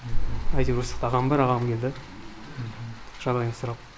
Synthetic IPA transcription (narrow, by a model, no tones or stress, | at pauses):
ɑjd̪iɾusə̥qt̪ɑʁɑmbɪɾɑʁɑmkʲʰe̞ld̪ɪ | ʒ̥ɑd̪ɑjnsʊɾɑp̚